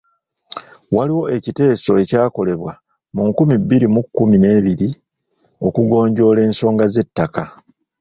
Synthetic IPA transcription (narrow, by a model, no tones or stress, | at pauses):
waliwo̞e̞cite̞ːso̞e̞caːko̞le̞βwa | muŋkumibːiɾimukːumine̞ːβiɾi | o̞kuɡo̞ːɲɟo̞ːle̞ːnso̞ːŋɡaze̞tːaka